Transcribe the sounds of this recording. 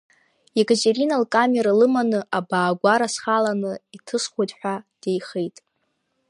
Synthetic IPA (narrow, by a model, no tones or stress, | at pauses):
ekʼat͡ʃʼeɾinalkʼameɾalɨmanɨʔabaːɡʷaɾasχalanɨitʰɨsχʷodʼħʷᶣad̥ejχejtʼ